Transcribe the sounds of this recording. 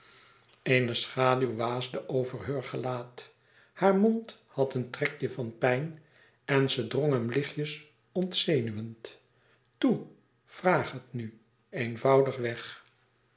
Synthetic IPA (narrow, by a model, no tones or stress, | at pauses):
ejnəsχaːdywʋaːzdəʔowvərɦøɹχəlaːt | haːɹmɔnthɑtəntrɛkjəvɑnpɛjn | ɛnzədroŋɦəmlɪχjəs | ɔntseːnyʋənt | tu | v̥raːχɦətny | ejnvɑwdəχʋɛχ